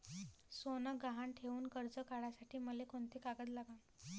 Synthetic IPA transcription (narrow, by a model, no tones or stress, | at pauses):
sonəɡaɦaɳʈʰeʋuːnkəɾd͡zəkaɽasaʈʰiːməlekoɳt̪ʰekaɡət̪laɡam